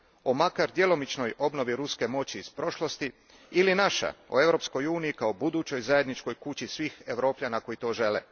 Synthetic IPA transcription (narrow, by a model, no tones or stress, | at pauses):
o̞makaɾd̪je̞lo̞mit͡ʃno̞jo̞bno̞ʋiɾuske̞mo̞t͡ɕiːzpɾo̞ʃlˠo̞st̪i | ilinaʃa̰o̰e̞ʋɾo̞psko̞juːniikao̞bud̪uːt͡ɕo̞jzaje̞d̪nit͡ʃko̞jkut͡ɕisʋiːxeʋɾo̞ːpʎʲanako̞jit̪o̞ːʒe̞lḛ